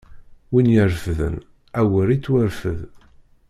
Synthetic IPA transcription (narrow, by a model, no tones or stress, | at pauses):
winjəɾfðə̰n | æwəɾit͡sːwəɾfə̰ð